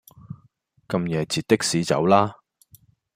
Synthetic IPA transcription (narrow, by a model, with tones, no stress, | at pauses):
kɐ˧mjɛː˨˧t͡siː˨t̚t̪ɪ˥k̚siː˨˥t͡sɐ̰˨˥wlaː˥